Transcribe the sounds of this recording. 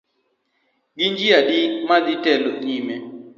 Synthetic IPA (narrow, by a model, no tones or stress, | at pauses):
ɡɪnd͡ʒiadimadɪtɛloɲime